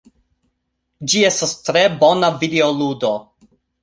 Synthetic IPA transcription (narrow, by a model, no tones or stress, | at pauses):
d͡ʒie̞stastɾe̞bo̞navideoludo̞